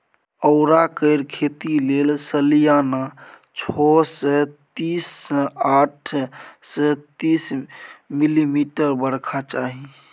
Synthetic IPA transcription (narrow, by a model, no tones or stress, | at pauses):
əʊɾakəɾkʰet̪ilelsəlijana | t͡ʃʰɔsɛt̪isaʈʰsɛt̪ismilimiʈəɾbəɽkʰat͡ʃaɦi